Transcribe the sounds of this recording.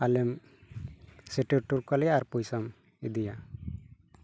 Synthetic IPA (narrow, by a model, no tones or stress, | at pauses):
alɛm | siʈiɾʈuɾkalɛjaːɾpujsam | id̪ija